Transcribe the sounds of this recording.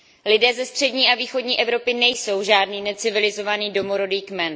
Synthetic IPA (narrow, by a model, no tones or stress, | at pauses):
lɪdɛːzɛst̪r̝̥ɛdɲiːʔaviːxo̞dɲiːʔɛvɾo̞pɪnɛjso̞wʒaːdniːnɛt͡sɪvɪlɪzo̞vaniːdo̞moɾodiːkmɛn